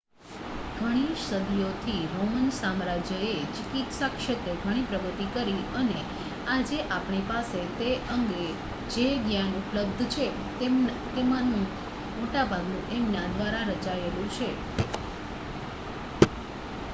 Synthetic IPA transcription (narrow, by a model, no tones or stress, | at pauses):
ɡʱəɽ̃iʃəd̪ijot̪ʰiɾomənsamɾad͡ʒjəet͡ʃɪkit̪sakʃət̪əɡʱəɽ̃ipɾəɡət̪ikəɾiəne | ad͡ʒeʔapɳipaset̪eəŋɡe | d͡ʒeɡjanupləb̚d̪ʱt͡ʃʰe | t̪emanũ | moʈabʱaɡnũʔemnad̪ʋaɾaɾəd͡ʒaelũt͡ʃʰe